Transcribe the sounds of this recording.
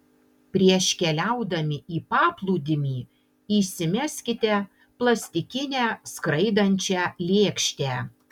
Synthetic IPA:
pʲɾʲiɛʃʲkʲɛlʲæʊd̪ɐmʲɪiːpɑːplˠuːd̪ʲɪmʲiː | iːsʲɪmʲæsʲkʲɪt̪ʲɛ | plˠɐsʲt̪ʲɪkʲɪnʲæːskɾɐɪd̪ɐnʲt͡ʃʲɛlʲeːkʃʲt̪ʲæː

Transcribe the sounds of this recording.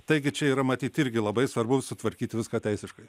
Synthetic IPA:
t̪ɐɪɡʲɪt͡ʃʲɛiːɾɐmɐt̪ʲiːt̪ɪɾʲɡʲɪlˠɐbɐɪsʋɐɾbʊsʊt̪ʋɐɾʲkʲiːt̪ʲʋʲɪskaːt̪ʲɛɪsʲɪʃkɐɪ

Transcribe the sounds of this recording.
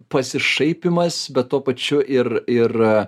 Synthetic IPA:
pɐsʲɪʃɐɪpʲɪmɐsbʲɛt̪̚t̪uɔpɐt͡ʃʲʊʔɪrɪr

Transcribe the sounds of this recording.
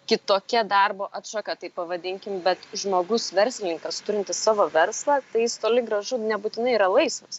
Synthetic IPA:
kʲɪt̪oːkʲɛd̪ɐrboːʔɐt̪ʃɑkɐt̪ɐɪpːɐʋɐd̪ʲɪŋʲkʲɪmbʲɛt̪ʒmoːɡʊsʋʲɛɾʲsʲlʲɪnʲɪŋkɐst̪ʊɾʲɪnʲt̪ʲɪssɑːʋoːʋʲɛrslˠɑːt̪ɐɪjɪst̪oːlʲɪɡɾɐʒʊnʲɛbuːt̪ʲɪnɐɪiːɾɐlˠɐɪsmɐs

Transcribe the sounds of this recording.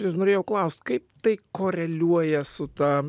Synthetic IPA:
ɪsnoːɾʲeːjɛʊklˠɐʊsʲt̪ʲkɐɪp̚t̪ɐɪkoːɾʲɛlʲuɔjɛsʊt̪ɑ

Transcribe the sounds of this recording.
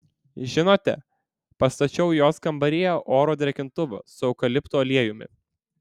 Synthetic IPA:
ʒʲɪnoːt̪ʲɛ̰ | pɐst̪ɐt͡ʃʲɛʊjoːskɐmbɐɾʲiːjoːʔoːɾoːd̪ʲɾʲɛkʲɪnt̪ʊʋɐ̰sʊɐʊkɐlʲɪpt̪oɐlʲiɛjʊmʲɪ̰

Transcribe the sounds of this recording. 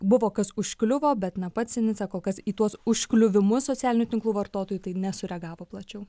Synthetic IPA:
bʊʋoːkɐsʊʃʲklʲʊʋoːbʲɛt̪nɐpɐt̪ʲsʲɪnʲɪsʲɑkoːlˠkɐsiːt̪uɔsʊʃʲklʲʊʋʲɪmʊssoːt͡sʲæːlʲɪnʲuːt̪ʲɪŋklˠuːʋɐrt̪oːt̪oːjuːt̪ɐɪnʲɛsʊɾʲɛɡɑːʋoːplˠɐt͡ʃʲɛʊ

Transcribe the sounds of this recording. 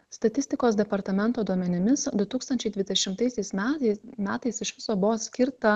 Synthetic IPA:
st̪ɐt̪ʲɪst̪ʲɪkoːsd̪ʲɛpɐɾt̪ɐmʲɛnˑt̪oːd̪uɔmʲɛnʲɪmʲɪsd̪ʊt̪uːkst̪ɐnʲt͡ʃʲɛɪd̪ʲʋʲɪd̪ʲɛʃʲɪmt̪ɐɪsʲɛɪsmʲæmʲæːt̪ɐɪsɪʃʋʲɪ̥soːbʊʋoːsʲkʲɪɾt̪ɐ

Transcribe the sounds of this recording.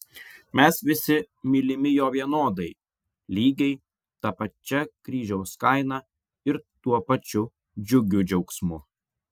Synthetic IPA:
mʲɛsʋʲɪsʲɪ | mʲilʲɪmʲɪjoːʋʲiɛnoːd̪ɐɪ | lʲiːɡʲɛɪ | t̪ɐpɐt͡ʃʲɛkɾʲiːʒʲɛʊskɐɪnɐ | ɪɾt̪uɔpɐt͡ʃʲʊ | d͡ʒʲʊɡʲʊd͡ʒʲɛʊksmʊ

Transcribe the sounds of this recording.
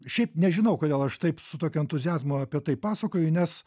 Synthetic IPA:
ʃʲɛɪpnʲɛʒʲɪnɐʊkoːd̪ʲeːlˠɐʃt̪ɐɪpsʊt̪oːkʲʊɛnt̪ʊzʲɪjæːzmʊɐpʲiɛt̪ɐɪpːɑːsɐkoːjʊnʲɛs

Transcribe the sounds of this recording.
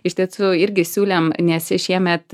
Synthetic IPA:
ɪʃt̪ʲiɛsʊɪɾʲɡʲɪsʲuːlʲemnʲɛsʲɪʃʲiɛmʲɛt̪

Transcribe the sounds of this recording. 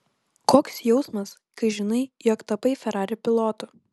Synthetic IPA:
koːksjɛʊsmɐs | kɐɪʒʲɪnɐɪjɔkt̪ɐpɐɪfʲɛɾɑːɾʲʊpʲɪlˠɔːt̪ʊ

